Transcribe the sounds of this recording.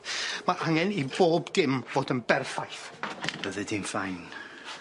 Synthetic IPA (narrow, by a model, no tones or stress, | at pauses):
maʔaŋɛniboːbdɪmvoːdənbɛrθajθv̥əðɨdinθajn